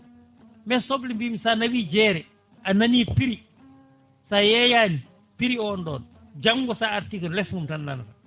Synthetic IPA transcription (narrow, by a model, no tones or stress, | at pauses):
mɛsɔblimbimisanɐwiːd͡ʒɛːɾɛ | anɐniːpiɾi | saːjɛjaːni | piɾiɔːndɔːn | d͡ʒaŋɡɔsaaɾtikɐllɛfuntɐnːa̰nka